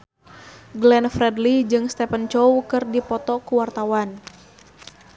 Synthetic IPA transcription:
ɡlɛnfrɛdlid͡ʒɨŋst̪ɛpənt͡ʃɔwkɨrdipɔt̪ɔkuwart̪awan

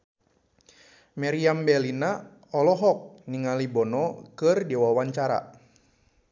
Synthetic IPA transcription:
maɾiambɛlina | ɔlɔɦɔk̚niŋalibɔnɔkɨrdiwawaɲt͡ʃaɾa̰

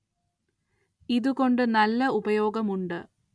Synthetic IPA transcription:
iðuko̞ɳɖɨnɐlːɐubɐjo̞ːɡɐmuɳɖɨ

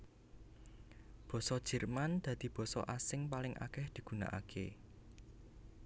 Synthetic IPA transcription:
b̥ɔ̤sɔd̥ʒ̥ɛ̤rmand̪̥ä̤d̪̥i̤b̥ɔ̤sɔ̰ʔasɪŋpalɪŋʔa̰kɛhd̪̥i̤ɡ̥ṳna̰ʔa̰kʰḛ

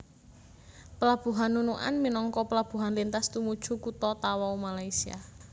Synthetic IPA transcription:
pəlab̥ṳɦanːunuʔa̰nminɔŋkɔpəlab̥ṳɦanlint̪ast̪umud̥ʒ̥ṳkut̪ɔt̪awaumalaisia̰

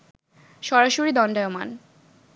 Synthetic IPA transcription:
ʃɔɾaʃoɾid̪ɔnɖaoma̰n

